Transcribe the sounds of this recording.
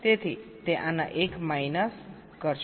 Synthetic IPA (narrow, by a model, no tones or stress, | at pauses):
t̪et̪ʰit̪eʔanaʔekmajnʌs | ɡ̥ʌrt͡sʰ